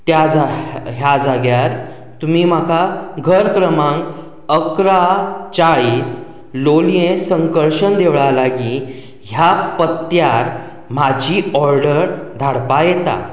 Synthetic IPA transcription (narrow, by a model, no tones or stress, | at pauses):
t̪jad͡zaɦjad͡zaɡjaɾ | t̪umiːm̤akʰaɡʱəɾkɾəmãŋ | əkɾat͡saɭiːs | loljẽsəŋkəɭɕənd̪eʋɭalaɡi | ɦjapət̪jaɾ | mad͡ʑiːɔɾɖəɾd̪ʱaɽpajɛt̪a̰